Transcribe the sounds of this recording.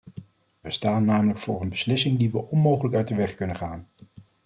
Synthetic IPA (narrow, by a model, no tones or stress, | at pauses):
ʋəstaːnːaːmələkfʊ̰ːrənbəslɪsɪŋdiʋəʔɔnmowχələkœɥt̚dəʋɛχkɵnənχaːn